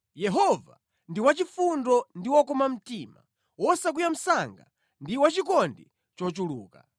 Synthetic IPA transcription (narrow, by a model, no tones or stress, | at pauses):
jɛɦɔva̰ | ndiwat͡ʃifundɔndiwɔkɔmam̩tiːma̰ | wɔsak̬wujam̩saŋɡa̰ | ndiwat͡ʃikɔndi | t͡ʃɔt͡ʃuluːka̰